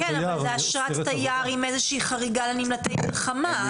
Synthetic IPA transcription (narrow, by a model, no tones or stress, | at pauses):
kɛnalzeaʃʁattajaːʁimezeʃiːχaʁiɡalanimlatejmilχama